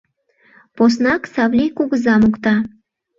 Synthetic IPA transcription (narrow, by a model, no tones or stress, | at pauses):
pos̬nɑksɑβlʲikuɣəzɑmukt̪ɑ